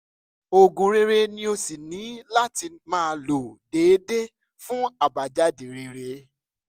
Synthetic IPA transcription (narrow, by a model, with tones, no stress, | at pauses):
o˨ɡũ˨ɾe˧ɾe˧nĩ˦o˧si˨nĩ˨˦la˦ti˧mãː˦˧lo˨deː˨˦de˦ | fũ˦a˨ba˨d͡ʒa˨˦di˨ɾe˧ɾe˧˦